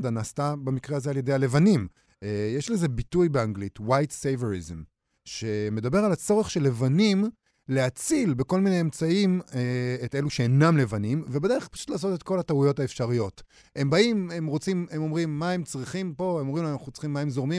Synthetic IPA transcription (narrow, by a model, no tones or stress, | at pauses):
danaːstabamikʁeazealje̞dejale̞vanim | jeʃle̞ze̞bitujbeaŋɡlitwajtsejveʁizm | ʃe̞me̞d̪abe̞ʁalat͡so̞ʁeχʃelːe̞vanim | leat͡silbe̞ko̞lmine̞emt͡saimeete̞luʃeenamle̞vanimvebed̪e̞ʁepḁʃutlaːs̬o̞tet̚ko̞lataujo̞taefʃaʁijo̞t | e̞mbaime̞mʁo̞t͡simemo̞mʁimːae̞mt͡sʁiχimpo̞emomʁimlanaχuot͡sχimːae̞mzo̞ʁmi